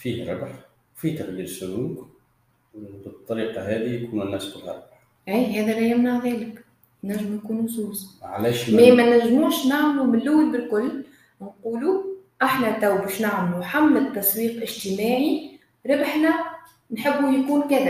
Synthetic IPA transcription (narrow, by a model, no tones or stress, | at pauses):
fiːhɾɪ̰bħ | wfit̪ɑqd̪iːɾsʊluːk | bət̪ˤːɑɾiːqɑɦɛːðijkuːnɪnːæːsbəlɣɑ̰ɾˤbħ | ʔæjɦɛːðælæjɪmnaʕðɛːlɪk | næʒːɪmnkuːnuzuːzʕa̰lɛːʃmɛmænæʒːmuːʃnaʕmlumɪnːʊwːibɪlkʊlː | nquːluʔaħnæt̪awbɛːʃnaʕmluħamːɪt̪ːɑsˤwiːqʔɪʒt̪əmaːʕi | ɾˤɪbħnæ | nħɪbːujkuːnkæðæ